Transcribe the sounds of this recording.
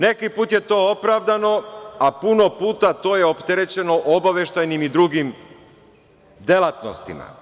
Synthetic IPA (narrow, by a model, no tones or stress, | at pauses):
ne̞kipuːt̪je̞t̪o̞ːopɾaʋd̪ano̞apuno̞puːt̪at̪o̞ːjeopt̪eɾe̞t͡ɕe̞no̞ʔobaʋje̞ʃt̪ajnimid̪ɾuɡim | d̪e̞lˠat̪nost̪ḭma̰